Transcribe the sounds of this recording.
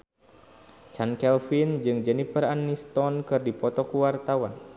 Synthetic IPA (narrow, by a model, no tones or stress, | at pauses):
t͡ʃankɛlfind͡ʒɨŋd͡ʒɛnifəranːist̪ɔnkɨrdipɔt̪ɔkuwart̪awan